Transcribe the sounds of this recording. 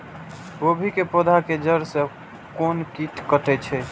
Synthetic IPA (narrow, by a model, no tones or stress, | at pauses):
ɡobʱikepod̪ʱaked͡ʒəɾsẽ | konkiʈkəʈɛt͡ʃʰɛ